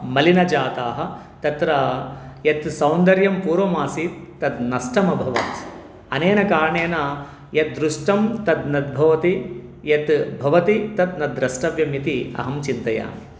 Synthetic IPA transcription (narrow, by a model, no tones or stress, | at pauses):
mɐlinɐd͡ʒaːt̪aːɦɐ̆ | t̪ɐt̪ɾɐjɐt̪sɐwnd̪ɐɾjɐmpuːɾʋɐmaːsit̪ːɐt̪nɐsʈɐmɐbʱɐʋɐ̰t̪ | ɐneːnɐkaːɾɐɳeːnɐ | jɐt̪̚d̪ɾuʂʈɐmt̪ɐd̪nɐd̪̚bʱɐʋɐt̪ijɐt̪bʱɐʋɐt̪it̪ɐt̪nɐd̪ɾɐsʈɐʋjɐmit̪iɐ̰ɦɐmt͡ʃint̪ɐja̰ː